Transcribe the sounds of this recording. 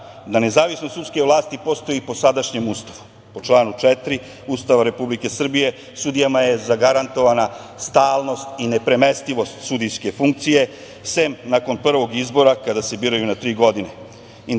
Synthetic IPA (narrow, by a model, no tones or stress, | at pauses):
d̪ane̞zaːʋisnot̪ut̪ske̞ʋlˠaːst̪ipo̞st̪o̞jipo̞sad̪aʃɲe̞must̪aʋu | po̞t͡ʃlˠaːnut͡ʃet̪ɾi | ust̪aʋaɾe̞publike̞sr̩bije̞ | sud̪ijamaje̞zaɡaɾant̪o̞ʋana | st̪aːlˠno̞st̪ine̞pɾe̞mest̪iʋo̞st̪sud̪ijske̞fuŋk̚t̪sije̞ | semnako̞npr̩ʋo̞ɡizbo̞ɾakad̪ase̞biːɾajunat̪ɾiːɡo̞d̪ine | i